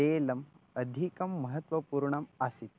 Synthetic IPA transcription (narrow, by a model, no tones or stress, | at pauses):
eːlɐmɐd̪ʱikɐmːɐɦət̪ʋɐpuːɾɳɐmasit̪̚